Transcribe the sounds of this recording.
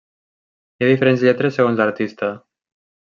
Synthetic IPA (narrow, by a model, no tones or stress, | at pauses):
jaðifeɾenzʎɛt̪ɾesːeɣonzləɾt̪ist̪a